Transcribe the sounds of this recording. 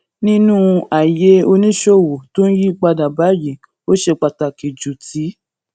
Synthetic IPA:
nĩ˦nũ˦a˨je˧˦o˧nĩ˦ʃo˦˨wo˨to˦n̩˦ji˦ɡ͡ba˧da˨ba˨˦ji˨ | o˦ʃe˧k͡pa˧ta˨ki˨d͡ʒu˨ti˨˦

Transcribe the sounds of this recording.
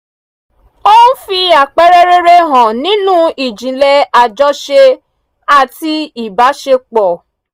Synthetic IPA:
o˦ũ˦fi˧a˨k͡pɛ˦ɾe˦ɾe˦ɾe˧ɦã˨nĩ˨˦nũ˦i˨d͡ʒĩ˨˦lɛ˦a˧d͡ʒɔ˦ʃe˧ | a˦˨ti˧i˨ba˨˦ʃe˧k͡pɔ˨

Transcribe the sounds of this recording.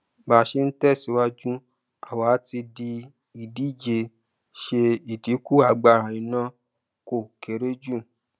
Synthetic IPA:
ba˨ʃe˧n̩˦tɛ˦˨si˨˦wa˦d͡ʒũ˦ | a˨wa˨˦ti˧di˧ | i˨di˨˦˨d͡ʒe˨ | ʃe˧i˨di˨˦ku˦a˨˦ɡ͡ba˦˨ɾa˨ĩ˨nã˦ | ko˨ke˨ɾe˦d͡ʒũ˦˨

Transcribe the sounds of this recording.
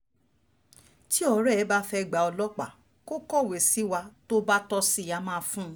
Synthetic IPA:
ti˦ɔ˧ɾɛ˦ɛ˨˦ba˦fɛ˧˨ɡ͡ba˨ɔ˧lɔ˦k͡pa˦˨ | ko˦kɔ˦˨we˨si˨˦wa˧to˦ba˦tɔ˧si˦˨ja˧mãː˦˨˧fũ˦

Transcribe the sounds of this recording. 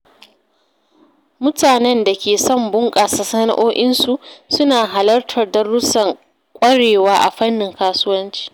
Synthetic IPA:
mʊ˦taː˨nɛ˦nda˨kʲeː˨sɔ˦˨mbʊ˦ŋkʼaː˨sɐ˨sɐ˦na̰˦ʔoː˦ʔɪ˦nsu˨ʔsʊ˦naː˨ɦa˨lɐ˦rtʰɐ˨rdɐ˦ɽʊ˦sɐ˨ŋ | kʷʼɐ˦ɽeː˨waː˦ʔa̰˨ɸɐ˦nːɪ˨ŋkaː˦sʊ˦wɐ˦nt͡ʃi̥ː˨

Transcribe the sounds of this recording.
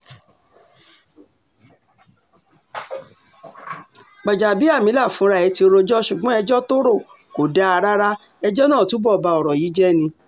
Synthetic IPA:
ɡ͡ba˨d͡ʒa˨bi˨˦a˦˨mĩ˨˦la˦˨fũ˨˦ɾa˧˨ɛ˨˧˦ti˧o˧ɾo˧d͡ʒɔ˦ʃu˨ɡ͡bɔ̃˨˦ɛ˧d͡ʒɔ˦to˦ɾo˦˨ | ko˨da˦a˧ɾa˦ɾa˦ | ɛ˧d͡ʒɔ˦nãː˦˨tu˨˦bɔ˦˨ba˧ɔ˨ɾɔ˨ji˨˦d͡ʒɛ˦nĩ˧

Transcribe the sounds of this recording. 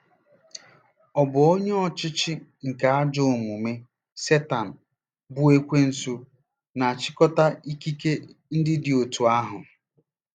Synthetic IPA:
ɔ˨bʊ˨o˦ɲe˦ɔ˦t͡ʃɪ˦t͡ʃɪ˦ŋ̩˨ka˨a˦d͡ʒo˦ʊ˨mu˨me˦ | se˦ta˨n̩˨ | bu˦e˦kʷe˦n̩˨su˦ | na˨a˨t͡ʃɪ˦kɔ˦ta˦i˦ki˦ke˦n̩˦dɪ˦dɪ˨o˨tu˨a˦ɦʊ˨

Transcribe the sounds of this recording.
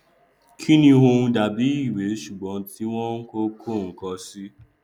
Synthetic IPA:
kʰĩ˦nĩ˧wo˧ũ˧da˨bi˨˦i˦˨we˨˦ʃu˨ɡ͡bɔ̃˨˦ti˦w̃ɔ̃˦ŋ̩˦ko˦kʰo˦˨ŋ̩˨kɔ˧si˦

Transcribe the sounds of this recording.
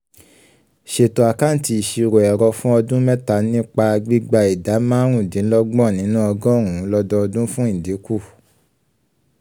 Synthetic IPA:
ʃe˨to˨a˨ka˦n̩˨ti˧i˨ʃi˧ɾo˨ɛ˨ɾɔ˧fũ˦ɔ˧dũ˦mɛ̃˦ta˧˦nĩ˦k͡pa˧ɡ͡bi˦ɡ͡ba˧i˨da˨˦mã˦ɾũ˦˨dĩ˨˦lɔ˦ɡ͡bɔ̃˦˨nĩ˨˦nũ˦ɔ˧ɡɔ̃˦˨ũ˨˦lɔ˧dɔ˧ɔ˧dũ˦fũ˦ĩ˦˨di˨˦ku˦˨

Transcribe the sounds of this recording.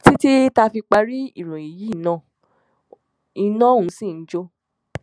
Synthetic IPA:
ti˦ti˦ta˧fi˧k͡pa˧ɾi˦i˦˨ɾ̃ũ˨i˨ji˨˦˨nã˨˦˨ | i˧nã˦ũ˨˦sĩ˦˨n̩˦d͡ʒo˦

